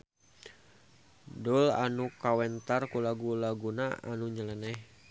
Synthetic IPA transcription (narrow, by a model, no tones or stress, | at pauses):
dula̰nukawɛnt̪arkulaɡulaɡunaa̰nuɲəlɛnɛh